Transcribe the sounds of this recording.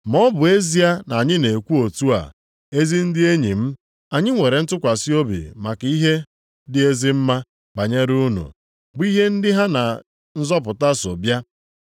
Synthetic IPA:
mɔ˦bʊ˨e˦zi˦a˦na˨ɲɪ˦ne˨kʷu˦o˨tu˦a̰˨ | e˦zi˦n̩˦dɪ˦e˦ɲi˨m̩˦ | a˨ɲɪ˦ŋʷe˨ɾe˨n̩˦tʊ˦kʷa˨si˦o˦bḭ˨ma˨ka˨˦i˦ɦe˦ | dɪ˦e˦zɪ˦m̩˦ma˦ | ba˨ɲe˦ɾu˦nṵ˨ | bʊ˦i˦ɦe˦n̩˦dɪ˦ɦa˦na˨ | n̩˦zɔ˦p̬ʊ˨ta˦so̰˨bja˦

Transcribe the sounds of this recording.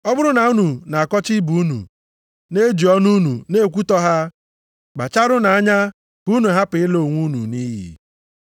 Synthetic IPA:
ɔ˦bʊ˦ɾʊ˦na˨u˦nu˨na˨a˨kɔ˦t͡ʃɪ˦bu˨˦nṵ˨ | ne˦d͡ʒi˨ɔ˦nu˦nu˨ne˦˨kʷu˦tɔ˦ɦa˦ | ɡ͡ba˨t͡ʃa˦ɾʊ˦na˨a˦ɲa˦ | b̥u˨˦nu˨ɦa˦pɪ˨ɪ˦lo˨ŋʷu˦nu˨ni˦ɦḭ˨

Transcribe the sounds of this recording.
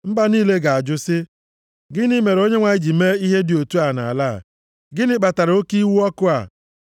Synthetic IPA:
m̩˦ba˦niː˦le˦ɡa˨a˨d͡ʒʊ˦sɪ˦ | ɡɪ˦nɪ˦me˨ɾo˦ɲe˦ŋʷa˨ɪ˦d͡ʒi˨me˦i˦ɦe˦dɪ˨o˨tu˦a˨na̰˨a˨laː˦˨ | ɡɪ˦nɪ˦k͡pa˨ta˨ɾo˦ki˦wu˦ɔ˦kʊ˦a̰˨

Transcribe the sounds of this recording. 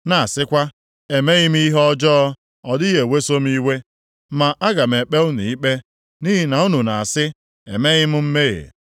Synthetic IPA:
na˨a˨sɪ˦kʷa˦ | e˨me˦ɣɪ˦m̩˦i˦ɦɔ˦d͡ʒɔ˦ | ɔ˨dɪ˦je˨we˦so˦m˦i˦we˦ | ma˨ʔa˦ɡa˨m̩˨e˨k͡pe˦ʊ˦ni˨i˦k͡pe˦ | ni˦ɦi˦na˨u˦nu˨na˨a˨sɪ˦ | e˨me˦ɣɪ˦m̩˦m̩˦me˦˨ḛ˨

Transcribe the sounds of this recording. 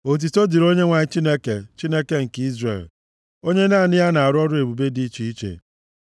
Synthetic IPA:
o˨t̬i˨to˦di˨ɾo˦ɲe˦ŋʷa˨ɲɪ˦t͡ʃi˦ne˦ke˨t͡ʃi˦ne˦ke˦ŋ̩˨ki˦zrḛ˨l | o˦ɲe˦na˦˨nɪ˦ja˦na˨a˨ɾʊ˦ɔ˦ɾʊ˦e˨bu˨be˦di˦t͡ʃi˦i˦t͡ʃḛ˨

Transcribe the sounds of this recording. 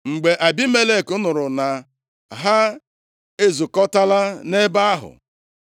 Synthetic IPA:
ŋ͡m̩˨ɡ͡be˨ʔa˨bi˦me˦le˦˨kʊ˦nʊ˨ɾʊ˨na˨ | ɦa˦ | e˦zu˨kɔ˦ta˦la˦ne˦ba˦a˦ɦʊ̰˨

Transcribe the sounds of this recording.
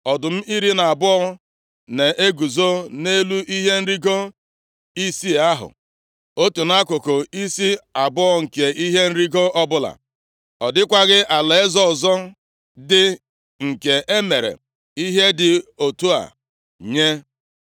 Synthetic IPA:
ɔ˨dʊ˨m̩˦i˦ɾi˦na˨a˨bʊ˦ɔ˦ | ne˨e˦ɡu˨zo˦ne˦lu˦ʔi˦ɦe˦n̩˦ɾi˦ɡo˦ | i˦si˦a˦ɦʊ̰˨ | o˦tu˨na˦kʊ˨kʊ˨i˦si˦a˨bʊ˦ɔ˨ŋ̩˨ke˨i˦ɦe˦n̩˦ɾi˦ɡo˦ʔɔ˦bʊ˦la̰˨ | ɔ˨dɪ˦kʷa˦ɣɪ˦ʔa˨le˨e˦zɔ˦˨zɔ˦ | dɪ˦ | ŋ̩˨ke˨e˦me˨ɾḛ˨ | i˦ɦe˦dɪ˨o˨tu˦a̰˨ | ɲe˦

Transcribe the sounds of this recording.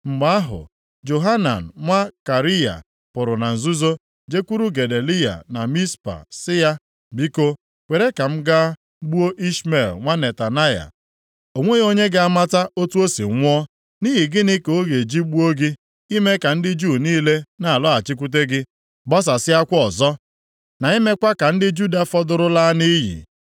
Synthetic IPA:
ŋ͡m̩˨ɡ͡ba˦a˦ɦʊ̰˨ | d͡ʒo˨ɦa˦na̰˨n̩˨ŋʷa˦ka˨ɾi˦ja̰˨ | pʊ˨ɾʊ˨na˨n̩˨zu˦zo˦ | d͡ʒe˦kʷu˦ɾu˦ɡe˨de˨li˦ja̰˨na˨mi˦spa̰˨sɪ˦ja˦ | bi˦ko˦ | kʷe˨ɾe˦ka˨m̩˦ɡa˦ | ɡ͡bu˦o˦ʔi˦sme˨lŋʷa˦ne˨ta˨na˦ja̰˨ | o˨ŋʷe˦o˦ɲe˦ɡɪ˦a˦ma˦ta˦ʔo˦tu˦o˦sḭ˨ŋʷʊ˦ɔ˦ | ni˦ɦi˨ɡɪ˦nɪ˦ko˦ɣe˨d͡ʒi˦ɡ͡bu˦o˦ɡɪ˦ | i˦me˦ka˨n̩˦dɪ˦d͡ʒu˦˨niː˦le˦na˨a˨lɔ˦a˨t͡ʃɪ˦k̬ʷu˦t̬e˦ɡɪ˦ | bɔ˦s̬a˨sɪ˦a˦kʷɔ˨zɔ˦ | na˨i˦me˦kʷa˦ka˨n̩˦dɪ˦d͡ʒu˦da˦fɔ˦dʊ˦ɾʊ˦la˦ni˦ɦḭ˨

